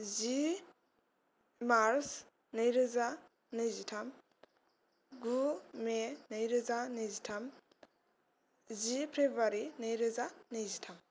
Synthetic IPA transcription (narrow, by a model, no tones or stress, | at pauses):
zi | maɾs | nɯjɾɯza | nɯjzitʰam | ɡumenɯjɾɯzanɯjzitʰam | zipʰɾebaɾinɯjɾɯzanɯjzitʰam